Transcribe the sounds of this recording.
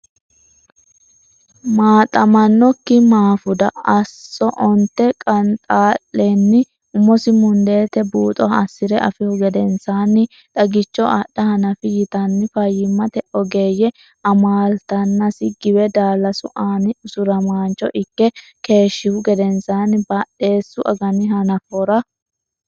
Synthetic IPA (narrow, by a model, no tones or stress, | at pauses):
maːt̪ʼɐmɐnːɔkːɪmaːfʊd̪ɐɐsːɔʔɔnt̪ːɛkʼɐnt̪ʼaːlːɛnːɪ | ʊmːɔsɪmʊnd̪e̞ːt̪ɛbuːt̪ʼɔhɐsːɪɾɛʔɐfɪhʊɡɛd̪ɛnsaːnːɪ | t̪ʼɐɡɪt͡ʃːɔaɗːɐhɐnɐfɪjɪt̪ɐnːɪfɐjːɪmːɐt̪ɛʔɔɡe̞ːjɛ | ɐmaːlt̪ɐnːɐsɪɡɪwɛd̪aːlːɐsʊʔaːnɪʊsʊɾɐmaːnt͡ʃːɔ̰ʔɪkːɛ | ke̞ːʃːɪhʊɡɛd̪ɛnsaːnːɪbɐɗːe̞ːsːʊʔɐ̰ɡɐnɪɦɐnɐfɔɾɐ